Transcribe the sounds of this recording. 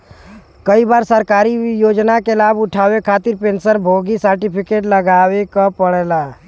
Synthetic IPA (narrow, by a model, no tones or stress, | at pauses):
kəibaːɾsəɾkaːɾijod͡ʒnakelabuʈʰawekʰat̪iɾpensəɾbʱoɡisəɾʈipʰikeʈləɡawekɔpəɽɛla